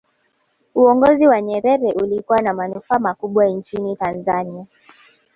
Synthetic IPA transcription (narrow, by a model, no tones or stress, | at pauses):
uɔŋɡɔziwaɲɛɾɛɾɛʔulikuwanamanufaːmakuɓwant͡ʃinitanzania